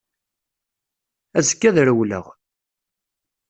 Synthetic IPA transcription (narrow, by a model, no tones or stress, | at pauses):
æzəkːæðɾəwlə̰ʁ